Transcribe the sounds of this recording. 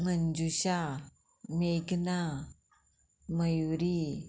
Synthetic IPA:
mənd͡zuɕa | mekna | məjwɾi

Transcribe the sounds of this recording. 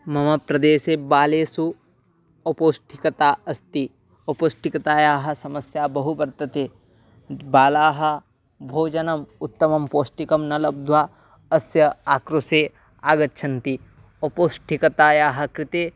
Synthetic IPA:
mɐmɐpɾɐd̪eːseːbaːleːsu | ɐpoːsʈʰikɐt̪aːɐst̪i | ɐpoːʃʈikɐt̪aːjaːɦɐ̆sɐmɐsjaːbɐɦubɐɾt̪ɐt̪eː | baːlaːɦɐ̆ | bʱoːd͡ʒɐnɐmut̪ːɐmɐmpoːʃʈikɐmnɐlɐb̚d̪ʱwaː | ɐsjɐaːkɾuseː | aːɡɐtːʃʰɐnt̪i | ɐpoːsʈʰikɐt̪aːjaːɦɐ̆kɾɪt̪eː

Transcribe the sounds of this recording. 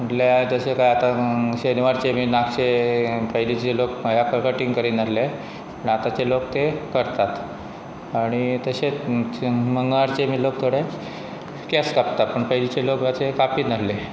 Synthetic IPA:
məʈ̪ljad͡zəɕekajat̪aɕeniʋaɾt͡ɕemiːnakt͡ɕepəjlit͡ɕelokjakəɾkəʈiŋɡkəɾiːnalle | pəɳat̪at͡ɕelokt̪ekəɾt̪at̪ | aɽ̃it̪əse | məŋɡaɽt͡ɕemiːlok̚t̪ʰoɽe | kɛskapt̪at̪̚pəɳpəjlit͡ɕelokʋat͡sekapiːtnalle

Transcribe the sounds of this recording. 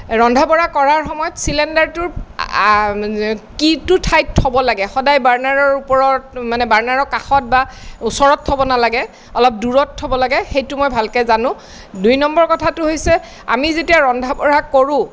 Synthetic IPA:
ɹɔndʱabɔɹakɔɹaɹxɔmɔjɔtsilɛndaɹtʊɹ | kitʊtʰajtʰːɔbɔlaɡɛxɔdajbaɹnaɹɔɹupɔɹɔtmanɛbaɹnaɹɔkaxɔt̚bausɔɹɔtʰːɔbɔnalaɡɛ | ɔlɔp̚duɹɔtʰːɔbɔlaɡɛxejtʊmɔjbʱalkɛzanʊ̃ | dujnɔmbɔɹkɔtʰatʊɦojsɛ | a̰mizetijaɹɔndʱabɔɹakoɹʊ̃

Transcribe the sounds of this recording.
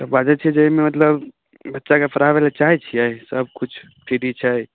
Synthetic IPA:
t̪əbad͡ʒɛt͡ʃʰɛd͡ʒəɦimemət̪ləb | bətːʃakepʰəɾabelet͡ʃaɦɛt͡ʃʰiɛisəb̚ʱkut͡ʃʰ | pʰiʈit͡ʃʰɛi

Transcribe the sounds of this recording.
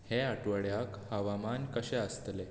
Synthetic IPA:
heəʈʋəɽjakhəʋamankəɕɛəst̪le

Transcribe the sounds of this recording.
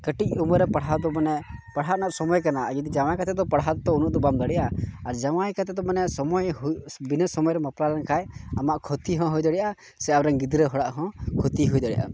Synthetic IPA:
kəʈic̪̚uməɾɛpaɽɦad̪ɔmanɛpaɽ̤ɦaʔnaʔsɔmɔjkanaɡid̪id͡ʒaw̃ajkat̪ɛd̪ɔpaɽɦad̪t̪ɔunuʔd̪ɔbamd̪əɽiʔaːɾd͡ʒawajkat̪ɛd̪ɔmanɛsɔmɔjɦbinəsɔmɔjɾɛməplalɛnkʰajamaʔkʰɔt̪iɦɔ̃ɦujd̪əɽijʔa | sɛawɾɛŋɡid̪ɾɛɦɔɽaʔɦɔ̃kʰɔt̪iɦujd̪əɽijʔa̰

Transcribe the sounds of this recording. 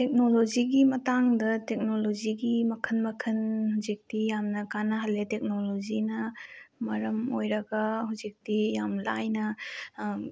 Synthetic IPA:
tek̚nolod͡ʒiɡimɐtaŋdɐtek̚nolod͡ʒiɡimɐkʰənmɐkʰɐnhuzik̚tijamnɐkanɐɦɐlːetek̚nolod͡ʒinɐmɐɾɐmojɾɐɡɐɦuzik̚tijamlajnɐ

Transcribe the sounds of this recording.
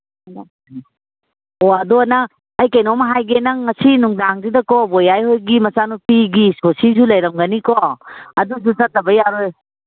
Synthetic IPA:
n | oɐdonɐː | jkɐjnomɐɦajɡenɐŋːɐsinuŋdaŋdidɐkɔbojajhojɡimɐsanupiɡisosisulɐjɾɐmɡɐnikoɐdus̬ut͡ʃɐt̚lɐbɐjaɾoj

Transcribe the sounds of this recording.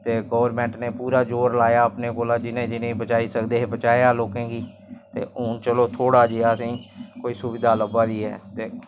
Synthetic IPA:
t̪eːɡəːʋəɾmɛ̃ːɳʈneːpuːɾaːd͡ʒoːɾlaːjaːəpneːkoːlaːd͡ʒɪnẽːd͡ʒɪnẽbət͡ʃaːiːsəkd̪eːɦbət͡ʃaːjaːloːkẽːɡiː | t̪ḛːʊnt͡ʃəloːt̪ʰoːɽaːd͡ʒiaːsĩːkoːiːsʊʋɪd̪ʱaːləbaːɾiːɦɛ̰ːt̪eː

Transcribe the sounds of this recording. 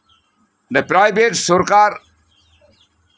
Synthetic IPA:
ndəpɾaːjbeʈsuɾkaːɾ

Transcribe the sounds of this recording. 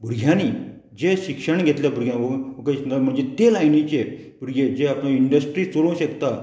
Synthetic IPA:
bʱuɾɡʱjaniː | d͡ʑeɕikʂəɳɡʱet̪ljabuɾɡʱjanokasd̪am̤əɳd͡zet̪elajnit͡ɕe | buɾɡʱed͡ʑeaplãiɳɖəsʈɾiːt͡solõw̃ɕekt̪a

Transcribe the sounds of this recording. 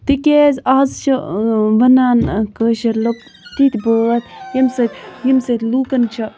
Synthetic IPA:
t̪ikʲezaːzt͡ʃʰɐʋɐnaːnkəːʃɐɾlop̚ | t̪it̪ʲbəɐt̪jimsɐt̪ʲjimsɐt̪ʲluːkɐnt͡ʃʰɐ

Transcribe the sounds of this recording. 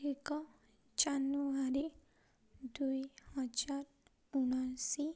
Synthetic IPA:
ikɔ | t͡ʃanːuaɾi | dujhɔd͡ʒaɾ | unasi

